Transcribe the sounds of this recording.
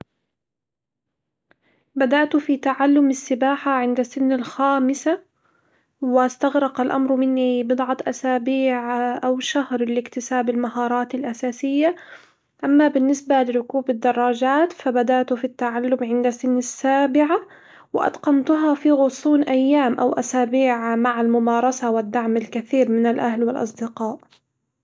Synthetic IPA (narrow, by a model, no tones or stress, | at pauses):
bad̪aʔt̪ʊfit̪aʕalːʊmɪsːɪbaːħaʕɪnd̪asɪnːalxaːmɪsa | wɪst̪aɣɾˤɑqalʔa̰mɾmɪnːibɨd̪ˤʕɑt̪ʔasaːbiːʕʔawʃahɾlɪkt̪ɪsaːbɪlmaɦɑːɾˤɑːt̪ɪlʔasaːsɪjːa | ʔamːabɪnːɪsbalɪɾʊkuːbɪd̪ːɑrˤːɑːd͡ʒaːt̪fabad̪aʔt̪ʊfit̪ːaʕalːʊmʕɪnd̪asɪnːasːaːbɪʕa | wɪʔɑ̰t̪qɑnt̪ʊɦɑfiɣʊsˤuːnʔajːaːmʔawʔasaːbiːʕmaʕalmʊmɑːɾˤɑsawɪd̪ːaʕmalkaθiːɾmɪnalʔahlwɪlʔɑ̰sˤd̪ɪqɑːʔ